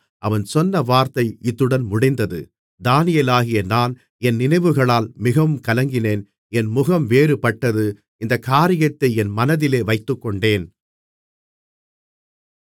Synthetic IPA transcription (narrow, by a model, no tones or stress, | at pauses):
ʔɐʋɐnsɔnːɐʋaːɾt̪ɐɪɪt̪ːɯɽɐnmʊɽɪnd̪ɐðɯ̰ | d̪aːnɪjɐlaːɣɪjɐnaːn | ɛnːɪnɐɪʋɯɣɐɭaːlmɪɣɐʋɯmkɐlɐŋɡɪneːn | ɛnmʊɣɐmʋeːɾɯpɐʈːɐðɯ | ɪnd̪ɐkaːɾɪjɐt̪ːɐɪɛnmɐnɐðɪleːʋɐɪt̪ːɯkːɔɳɖeːn